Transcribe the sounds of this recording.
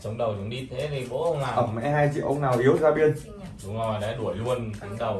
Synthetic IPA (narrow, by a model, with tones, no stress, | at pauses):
sə˨˦wŋ͡mɗə˨˩wzʊ̰˧˥˦ŋ͡mɗi˧t̪ʰe˨˦t̪i˨˩ko̰˧˥hə˧wŋ͡maː˨˩ʔə˧˩mmɛ̰˧˥ɦaː˧jt͡ɕḭ˧˨ʔə˧wŋ͡mnaː˨˩wʔi˨˦əwzaː˧ɓi˧ən | zu˨˦ŋɔ˧˨˩jɗa̰ː˧˥ɗu˧˩əjlu˧ənka˨˩˦ŋɗə˨˩w